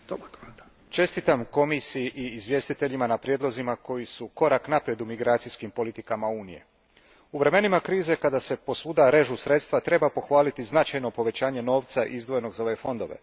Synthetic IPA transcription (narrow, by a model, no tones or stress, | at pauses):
t̪o | t͡ʃe̞st̪it̪amko̞misijiʔiːzʋje̞st̪it̪e̞ʎimanapɾjeːd̪lˠo̞zimako̞jisuko̞ɾaknapɾje̞d̪umiɡɾaːt̪sijskimpo̞lit̪ikamauːnḭje̞̰ | uʋɾe̞me̞nimakɾiːze̞kad̪ase̞po̞suːd̪aɾe̞ʒusɾe̞t̪st̪ʋat̪ɾe̞bapo̞xʋaːlit̪iznat͡ʃajno̞po̞ʋe̞t͡ɕaːɲe̞no̞ːʋt̪saʔizd̪ʋo̞je̞no̞ɡzo̞efo̞nd̪o̞ʋe̞̰